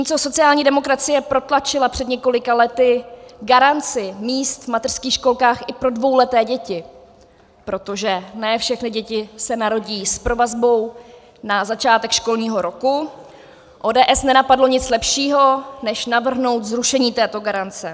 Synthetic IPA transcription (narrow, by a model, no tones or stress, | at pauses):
timt͡soso̞t͡sɪaːlɲiːdɛmo̞kɾat͡sɪjɛpɾo̞t̪lat͡ʃɪlapr̝̥ɛdɲɛko̞lɪkalɛt̪ɪɡaɾant͡sɪmiːst̪vmat̪ɛr̥skiːxʃko̞lkaːxʔɪpɾo̞dvo̞wlɛt̪ɛːɟɛcɪ | pɾo̞t̪o̞ʒɛnɛːfʃɛxnɪɟɛcɪsɛnaɾo̞ɟiːspɾo̞vazbo̞w | nazat͡ʃaːt̪ɛkʃko̞lɲiːɦo̞ɾo̞ku | ʔoːdɛːʔɛsnɛnapadlo̞ɲɪt͡slɛpʃiːɦo̞nɛʃnavr̩ɦno̞wt̪zɾuʃɛɲiːt̪ɛːt̪o̞ɡaɾant͡sɛ